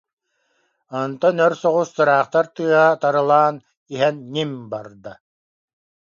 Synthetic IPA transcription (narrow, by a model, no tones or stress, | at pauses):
ɔnt̪ɔnœɾsɔʁusːɯɾaːχt̪aɾt̪ɯːɦat̪aɾɯlˠaːn | iɦɛnːimbaɾd̪a